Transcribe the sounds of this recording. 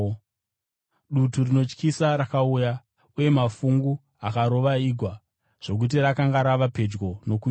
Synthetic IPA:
ɗuturino̞t͡ʃkisaɾakauja | uje̞mafuŋɡu | akaɾo̞ʋaiːɡʱwa | ʐ̥o̞k̬ut̬iɾakaŋɡaɾaʋape̞d͡ʒɡo̞no̞ku

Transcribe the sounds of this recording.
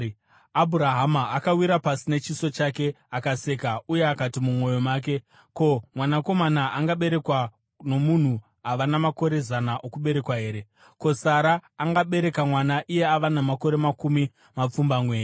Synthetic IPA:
abʱuɾaɦamaːkawiɾapasine̞t͡ʃiso̞t͡ʃake̞ | akase̞kauje̞akatimumwo̞jo̞maːk̬e̞ | ko̞mwanako̞manaʔaŋɡaɓe̞ɾe̞kwa | no̞mun̤u | aʋanamako̞ɾe̞zanaʔokuɓe̞ɾe̞kwaɦe̞ːɾe̞ | ko̞saɾaːŋɡaɓe̞ɾe̞kamwanaʔije̞aʋanamako̞ɾe̞makumi | map͡fumbamwe̞ːre

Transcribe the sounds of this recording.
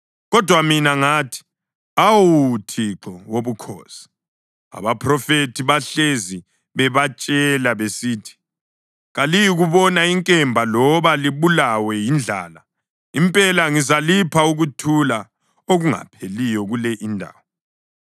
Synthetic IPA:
ɣɔd̥ʱwaminaŋaːtʰi̥ | awutʰiǁɔwoβukʰɔ̰ːsi̥ | a̰βapʰrɔfetʰiβaɬezi | βɛβat͡ʃʼɛlaβesiːtʰi̥ | ɣalijiɣuβɔnaiŋkʼɛmbʱalɔβaliβulawɛjind͡ɮʱa̰ːla | impʼɛlaŋizalipʰauɣutʰula | oɣuŋa̰pʰelijɔɣulɛʔindʱa̰ːwɔ

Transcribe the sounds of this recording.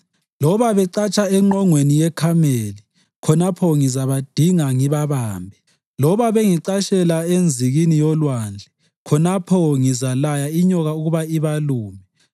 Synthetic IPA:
lɔβaβɛǀat͡ʃʼaɛŋ͡ǃɔŋwenijɛkʰameli | kʰɔnapʰɔŋizaβad̥ʱiŋaŋiβaβaːmbʱɛ | lɔβaβeŋiǃaʃɛlaend͡zʱiɣinijɔlwand͡ɮʱɛ | kʰɔnapʰɔŋizalajaiɲɔɣauɣuβaiβaluːmɛ

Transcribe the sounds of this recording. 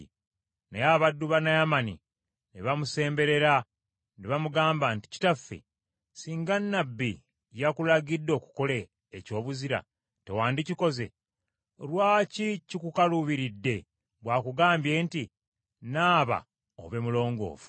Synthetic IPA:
nejaβadːuβanajamanḭ | niβamuse̞ːmbe̞ɾe̞ɾa | neβamuɡaːmbanti̥ci̥tafːḛ | siːŋɡanːabːḭ | jakulaɡidːo̞ːku̥ko̞leː | co̞ːβuziɾa̰ | te̞waːndiciko̞ze̞̰ | lwaːcicikukaluβiɾidːe̞ | βwaːkuɡaːmbje̞nti | naːβa̰ | o̰βe̞mulo̞ːŋɡo̞̰ːvu̥

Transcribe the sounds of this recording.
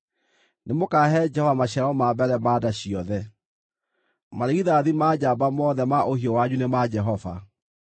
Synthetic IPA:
nemokaːɦɛd͡ʒɛhɔvamaɕɛɾaɔmabɛɾɛmaːdaɕiɔðɛ | maɾeɣiðaðimaːd͡ʑabamɔːðɛmaʔohiɔwaɲunemad͡ʒɛɦɔva̰

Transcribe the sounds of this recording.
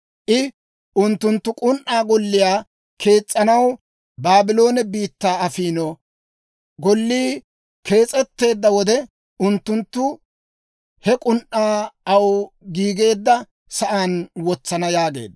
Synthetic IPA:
ʔɪ | ʔʊnt̪ːʊnt̪ːʊkʼʊnʔːaːɡɔlːɪjaː | kʰe̞ːt͡sʼːɐnɐw | baːbɪlo̞ːnɛbiːt̪ːaːɐfiːnɔ | ɡɔlːiː | ke̞ːt͡sʼɛt̪ːe̞ːd̪ːɐwɔd̪ɛ | ʊnt̪ːʊnt̪ːʊ | hɛkʼʊnʔʔaːɐwɡiːɡe̞ːd̪ːɐ | sɐʔaːnwɔt͡sːɐnɐjaːɡe̞̰ːd̪

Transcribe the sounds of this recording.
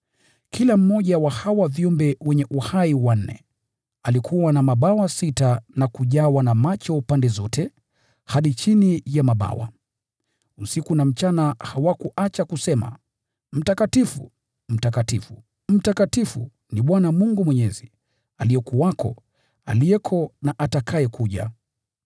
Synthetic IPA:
kʰilam̩ːɔʄawahawaviumbɛwɛɲɛʔuhaiwan̩nɛ̰ | alikʰuwanamaɓawasitanakuʄawanamat͡ʃɔpandɛzɔtʰɛ | haɗit͡ʃinijamaɓa̰wa̰ | usikunam̩t͡ʃanahawakuʔat͡ʃakusɛma̰ | m̩takatifṵ | m̩takatifu | m̩takatifṵ | niɓwanamuŋɡumwɛɲɛzi | alijɛkuwakʰɔ̰ | a̰lijɛkʰɔnaʔatakʰajɛkuʄa̰

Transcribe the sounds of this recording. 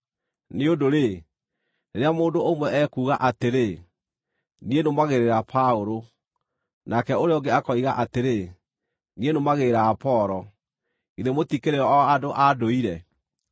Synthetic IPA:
neodoɾe | neɾeamoːndoːmwɛʔɛkuːɣaʔateɾe | nienomaɣeɾeɾapʰaoɾo | nakɛoɾeɔŋɡeakɔiɣaʔateɾe | nienomaɣeɾaːpɔɾɔ | iðemotikeɾeɔɔadoʔadoiɾɛ

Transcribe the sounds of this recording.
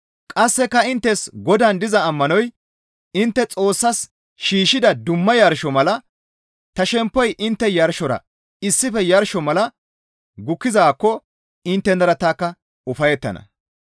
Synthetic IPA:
kʼɐsːɛkːɐɪnt̪ːɛsɡɔd̪ɐnd̪ɪzɐːmːɐnɔj | ɪnt̪ːɛt͡sʼo̞ːsːɐs | ʃiːʃɪd̪ɐd̪ʊmːɐjɐɾʃɔmɐlɐ | t̪ɐʃɛmpːɔjʔɪnt̪ːɛjɐɾʃɔɾɐ̰ | ɪsːɪfɛjɐɾʃɔmɐlɐ | ɡʊkːɪzaːkːɔ | ɪnt̪ːɛnd̪ɐɾɐt̪aːkːɐ | ʊfɐjɛt̪ːɐ̰nɐ̰

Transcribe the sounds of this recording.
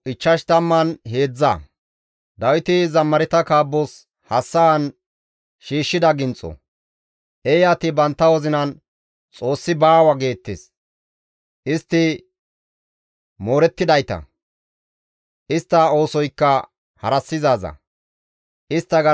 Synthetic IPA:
ʔɪt͡ʃːɐʃt̪ɐmːɐnɦe̞ːd͡zːɐ̰ | d̪ɐwɪt̪ɪzɐmːɐɾɛt̪ɐkaːbːos | hɐsːɐwɐn | ʃiːʃːɪd̪ɐɡɪnt͡sʼːɔ̰ | ʔejaːt̪ɪbɐnt̪ːɐwɔzɪnɐn | t͡sʼo̞ːsːɪbaːwɐɡe̞ːt̪ːḛːs | ʔɪst̪ːɪ | mo̞ːɾɛt̪ːɪd̪ɐjt̪ɐ̰ | ʔɪst̪ːɐo̞ːsɔjkːɐ | hɐ̰ɾɐsːɪzaːzɐ̰ | ʔɪst̪ːɐɡɐ

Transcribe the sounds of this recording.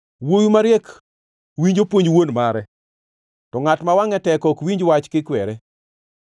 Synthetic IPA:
wojumaɾjɛk | wiɲd͡ʒopwoɲwonmaɾɛ | tɔŋatmawaŋɛtɛkɔkwiɲd͡ʒwat͡ʃkɪkwɛɾɛ

